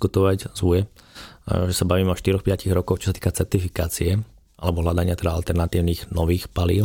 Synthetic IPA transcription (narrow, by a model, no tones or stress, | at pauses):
kut̪ɔʋaczujɛ | ʒɛsabaʋiːmɛɔʃt̪iɾɔxpɪaciɣɾɔkɔxt͡ʃɔ̥sat̪i̥ːkat͡sɛɾt̪ifikaːt͡siɛ | a̰lɛbɔɦlad̪aɲɪat̪ɛd̪aalt̪ɛɾnat̪iːʊniːɣnɔʋiːxpaliːʊ